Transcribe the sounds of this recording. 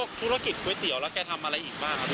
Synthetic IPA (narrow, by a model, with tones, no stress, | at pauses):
ək̚t̪ʰu˦˥ɾa˧ki˨˩t̪̚kʰuː˧˩˦jt̪i˨˩˦əwlɛː˦˥wkɛː˧t̪ʰa˧mʔa˧ɾa˧jʔiː˨˩k̚baː˥˩ŋ˧